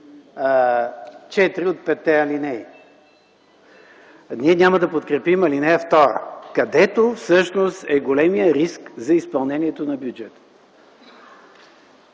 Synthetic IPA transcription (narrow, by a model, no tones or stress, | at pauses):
t͡ʃɛt̪iɾiot̪̚pɛt̪ːɛɐlinɛi | nʲiɛnʲaməd̪ɐpot̪kɾɛpimɐlinɛɛft̪ɔɾə̰kɐd̪ɛt̪ofsɤʃnost̪ɛɡolɛmijəɾiskzɐispɐlˠnɛniɛt̪onɐbjud͡ʒɛt̪ə̥